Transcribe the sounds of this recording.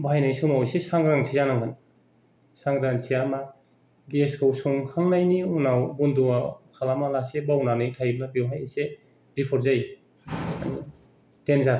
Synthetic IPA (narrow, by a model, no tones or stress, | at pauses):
bʱajnajsumawjsesaŋɾaŋsʰizanaŋɡan | saŋdansiama | ɡeskʰɯwsɔŋkʰaŋnajniunawbunduakʰalamalasebawnanajtʰajbnabiwɦajase | bipʰɔɾzaj | a̰ni | tenzaɾ